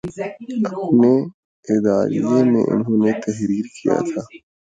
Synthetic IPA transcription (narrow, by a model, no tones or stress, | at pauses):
ɐp̚ne | ɪd̪aːɾiemḛ̃ʔʊ̰nɦõːnet̪ɐɦɾiːɾkija̰t̪ʰaː